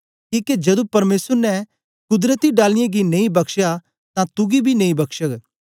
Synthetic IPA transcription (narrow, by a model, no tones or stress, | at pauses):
kiːked͡ʒɐd̪ũpɐɾmeːsəɾnɛ | kʊd̪ɾət̪iɖaːlɪjẽɡineĩbɐkʃja | t̪ãt̪ʊɡibʱinẽĩbɐkʃək